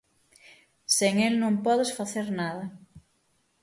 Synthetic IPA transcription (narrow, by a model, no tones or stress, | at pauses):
seŋelnõŋpɔðɪsfaθeɾnaðɐ